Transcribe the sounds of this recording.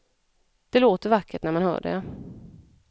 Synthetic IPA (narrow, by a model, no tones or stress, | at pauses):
d̪̥ɛloːt̪əɾvakʰːəʈnæɾmanhœ̰ːɖɛ̰